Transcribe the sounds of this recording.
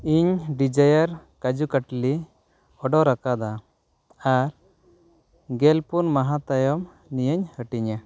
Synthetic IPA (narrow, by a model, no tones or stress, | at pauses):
iɲɖid͡ʒajaɾkad͡ʒukaʈli | ɔɖɔɾakad̪a | aɾ | ɡɛlpunmaɦat̪ajɔm | nijəɲhəʈiɲa